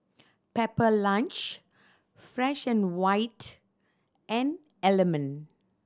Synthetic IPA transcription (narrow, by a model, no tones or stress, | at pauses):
pɛpəlãnt͡ʃ | fɾɛʃɛ̃nwaɪt | ʔɛ̃n | ɛlɛmə̃n